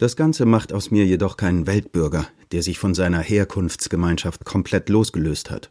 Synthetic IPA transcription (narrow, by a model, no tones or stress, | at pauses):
d̥asɡ̥ant͡səmaχtaʊsmiːɐjedɔχkʰaɪnənvɛlt̚b̥ʏɐɡɐd̥eːɐzɪçfɔnzaɪnɐheːɐkʰʊnft͡sɡ̥əmaɪnʃaftkʰɔmpʰl̥ɛtloːsɡ̥əløːstha̰t